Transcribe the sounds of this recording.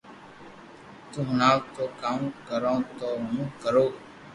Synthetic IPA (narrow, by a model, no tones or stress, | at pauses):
t̪ũːɦʊnaːwt̪oːkaːmkəɾõːt̪oːɦmũːkəɾoː